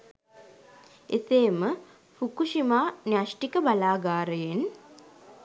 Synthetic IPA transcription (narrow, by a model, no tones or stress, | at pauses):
eseːmə | fukuʃimaːnjaʃʈikəbalaːɡaːɾəjen